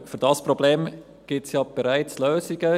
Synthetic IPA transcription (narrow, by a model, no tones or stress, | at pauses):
fyɾd̥ɑspɾobleːm | ɡ̥ɪtsjɑb̥ɛɾæɪt͡sløːziɡə